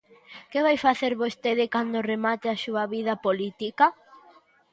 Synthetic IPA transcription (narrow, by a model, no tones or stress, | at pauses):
keβajfaθeɾβost̪eðɪkand̪oremat̪ɪasuaβiðɐpolit̪ika